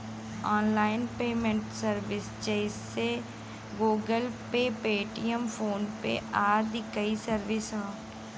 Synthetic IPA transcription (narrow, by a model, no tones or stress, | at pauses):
ɔːnlaːɪnpeːmẽɳʈsəɾʋɪsd͡ʒɛɪsːe | ɡoːɡəlpepeːʈijəmfoːnpḛaːɾd̪ɪkəisəɾʋɪsɦãː